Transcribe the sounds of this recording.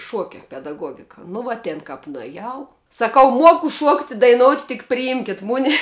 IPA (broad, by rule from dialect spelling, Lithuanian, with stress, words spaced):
ˈʃuɔkʲɛ pʲɛdɐˈɡuɔɡʲɪkɐ nʊ ˈʋuɔ ˈtʲeːn kɐp nʊɛˈjɛʊ sɐˈkɐʊ ˈmuɔkʊ ˈʃuɔktʲ ɪ dɐɪˈnoːʊtʲ tʲɪk pʲrʲɪˈɪmʲkʲɪt ˈmʊnʲɛ